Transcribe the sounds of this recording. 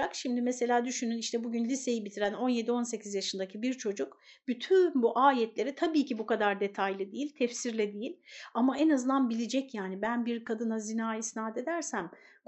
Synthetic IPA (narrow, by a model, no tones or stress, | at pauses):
akʃimd̪imese̞lʲaːd̪yʃynyniʃt̪ʰɛbuɟynlʲise̞jibit̪ʰiɾæno̞nje̞d̪io̞nse̞cʰizjaʃɯnd̪acʰibiɾt͡ʃʰo̞d͡ʒukb̥yt̪ʰynbuʔaːjɛt̪lʲe̞ɾɛt̪ʰabiːcibukad̪aɾd̪e̞t̪ʰajlʲˠɯd̪ejilʲt̪ʰɛfsiɾlʲɛd̪ejilʲamaɛnazɯnd̪anbilʲid͡ʒɛcjaːnibænbiɾkʰad̪ɯnazinaːisnaɦt̪e̞d̪æɾsæm | k